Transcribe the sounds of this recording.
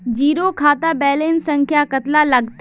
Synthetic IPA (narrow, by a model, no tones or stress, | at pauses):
d͡ʒiːɾokʰaːt̪abɛːleːnsɐ̃ŋkʰjakət̪lalɐɡt̪